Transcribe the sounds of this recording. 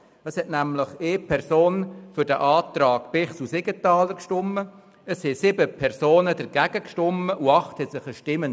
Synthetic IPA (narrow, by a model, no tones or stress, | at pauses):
əshɛtnæmləχeːpʰɛɾsoːnfʏɾd̥əʔɑːt̪rɑːɡ̥pɪχsusɪɡ̥ət̪ɑːləkʃtʊmːə | əshɛsɪbəpʰɛrsoːnəd̥əɾɡ̥æɡ̥əkʃtʊməʔʊɑχthɛtsɪχəʃtɪmən